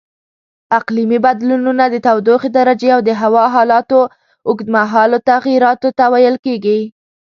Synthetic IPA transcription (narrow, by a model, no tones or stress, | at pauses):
aqlimibad̪lununad̪ət̪awd̪oxed̪aɾad͡ʒeawd̪əɦawɑɦɑlɑt̪o | ʊɡd̪maɦɑlot̪aɣjiɾɑt̪ot̪awajəlkeɡi